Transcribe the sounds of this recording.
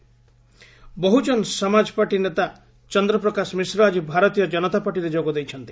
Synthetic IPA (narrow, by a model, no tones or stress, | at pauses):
bɔɦud͡ʒɔnsɔmad͡ʒɔpaʈinet̪a | t͡ʃɔnd̪ɾɔpɾɔkasmisɾɔad͡ʒibʱaɾɔt̪ijɔd͡ʒɔnɔt̪apaʈiɾed͡ʒoɡɔd̪ejt͡ʃʰɔnt̪i